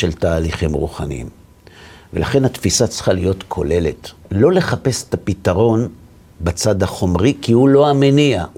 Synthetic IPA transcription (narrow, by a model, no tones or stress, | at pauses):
e̞ltaːliχimʁṵχanḭḭm | velaχe̞nhat̪fisat͡sχalijo̞tkʰo̞̰le̞le̞tlo̞le̞χape̞se̥t̪apitaʁo̞n | bat͡sad̪haχo̞mʁikihulo̞amenia